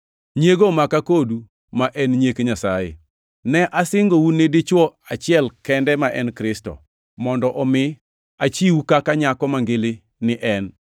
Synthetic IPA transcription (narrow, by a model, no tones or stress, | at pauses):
ɲeɡomakakodu | maʔɛnɲekeɲasajḛ | nɛʔasɪŋɡowunɪdɪt͡ʃwɔat͡ʃɪɛlkɛndɛmaʔɛnkɾɪstɔ̰ | mɔndɔʔɔmɪ | at͡ʃiwukakaɲakɔmaŋɡɪlɪ | nɪʔɛn